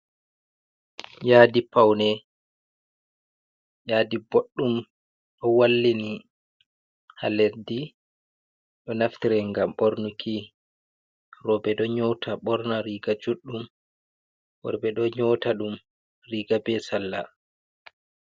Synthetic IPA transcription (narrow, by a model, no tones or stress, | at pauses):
jaːdipawnɛ | jaːdiboɗːum | ɗɔwalːini | ha̰leɾdi | ɗɔnaft̪iɾɛŋɡamɓoɾnukʰi | rɔbɛɗɔɲɔwtʰaɓɔɾnaɾiɡad͡ʒuɗːum | bɔ̰ɾbɛɗɔɲɔtaɗum | riːɡabɛsalːa̰